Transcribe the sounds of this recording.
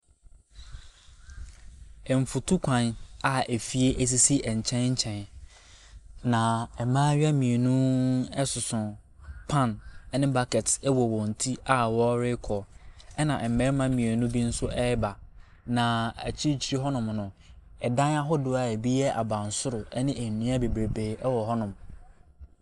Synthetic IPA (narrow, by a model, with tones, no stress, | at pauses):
ɛ˨m̩˨fʊ˨tʰu˦kʷʰã˨na˦e˨fi˨e˦ʔæ˨s̬i˨si˦ʔɛ˨ɲ̩˨t͡ɕʰɛ̃˦n˦ɲ̩˦t͡ɕʰɛ̃˨n | nã˨ɛ˨mãː˦ɥa˦mĩ˨e˨nũ˦ɛ˦sʊ˨sʊ̃˨ | pʰã˦nɛ˦nɪ̃˦ba˦kɛ˨tʰɛ˦wɔ˨wɔ̃˨n̩˨tʰi˦a˦wɔ˦ɾɪ˦kʰɔ˨ɛ˦nã˨ɛ˨m̩˨mɛ̃˨˦ɾmã˦mĩ˨e˨nũ˦bi˦n̩˦sʊ˦ʔɛ˦ba˨ | nã˨æ̰˨t͡ɕʰi˦t͡ɕʰi˦ɾi˦ɦɔ˦nʊ̃˨mnʊ̃˨ɛ˨dã˦na˦ɦɔ˦dʊ˨a˨e˨bi˦jɛ˦ʔa̰˨bã˨n̩˨sʊ˦ɾʊ˨ɛ˦nɪ̃˦ʔæ˨nũ˦a˦be˨bɾe˨be˨ɛ˦wɔ˨ɦɔ˦nʊ̃˨m